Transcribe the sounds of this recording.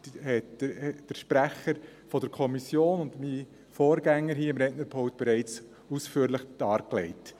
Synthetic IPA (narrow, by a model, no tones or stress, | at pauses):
hɛtd̥əɾʃpɾæχəɾ | fɔd̥əɾkʰɔmisjoːnʊndmi | foːɾɡ̥æŋːəɾɦiːɪmɾɛtnəɾpʰɔʊt̚b̥ɛɾɛɪt͡s | usfyːɾlɪχd̥ɑːɾklɛɪt